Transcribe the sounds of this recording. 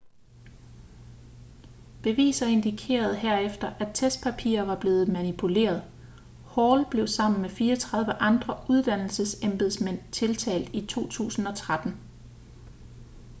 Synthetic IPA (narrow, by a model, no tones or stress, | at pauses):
b̥e̝ʋḭːsɐe̝nd̥ikʰe̝̰ːɐð̞ˠɦeɐefd̥ɐʔæt͡sʰesd̥̚pʰæpʰḭːɐʋɑ̈b̥le̝ːð̞̩ˠmænipʰule̝̰ːɐð̞ˠ | hɒːlb̥le̝ʊsɑ̈m̰n̩mefiːɒt͡sʰʁɑ̈ð̞ˠʋəʔɑ̈nd̥ʁɐuð̞ˠd̥æn̰l̩səsemb̥eðˠsmen̰t͡sʰe̝lt͡sʰɛ̰ːld̥it͡sʰo̝̰ːt͡sʰṵːsn̩ɒ̽t͡sʰʁad̥n̩